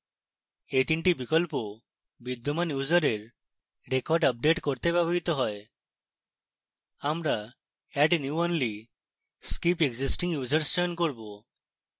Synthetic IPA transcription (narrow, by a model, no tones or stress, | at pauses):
et̪iɳʈibikɔlpɔ | bid̪ɔmanjud͡zəɾeɾ | ɾekɔɾɖəp̚ɖeʈkɔɾt̪ebjabʱɔɦit̪ɔɦɔj | amɾa | ɛɖnjuɔnli | skipeɡd͡zisʈĩŋɡjud͡zəɾsɕɔjənkɔɾbo